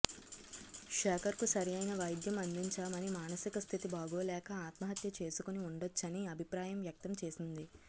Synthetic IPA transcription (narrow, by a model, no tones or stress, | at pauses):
ʂɛːkɐɾkusɐɾijɐjnɐʋɐjd̪jɐmɐnd̪iɲt͡ʃaːmɐnimaːnɐsikɐst̪ʰit̪ibaːɡoːlɛːkɐaːt̪mɐɦɐt̪jɐt͡ʃe̞ːsukoniuɳɖot͡ʃːɐniɐbʱipɾaːjɐmʋjɐk̚t̪ɐmt͡ʃe̞ːsind̪i